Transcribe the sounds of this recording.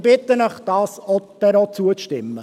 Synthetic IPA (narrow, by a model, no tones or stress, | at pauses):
b̥ɪt̪ːənəχd̥ɑːsɔtɛɾɔt͡suəʃtɪmːə